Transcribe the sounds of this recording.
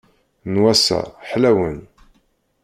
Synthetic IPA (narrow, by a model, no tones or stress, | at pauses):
nwæsa̰ħlæwən